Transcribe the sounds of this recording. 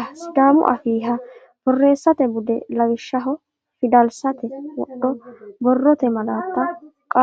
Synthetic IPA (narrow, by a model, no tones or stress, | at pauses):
sd̪aːmʊ̰ʔɐfiːɦɐ | b̥ɔrːe̞ːsːɐt̪ɛbʊd̪ɛlɐwɪʃːɐɦɔ | fɪd̪ɐlsɐt̪ɛwɔ̰ɗːɔbɔrːɔt̪ɛmɐlaːt̪ːɐ | kʼa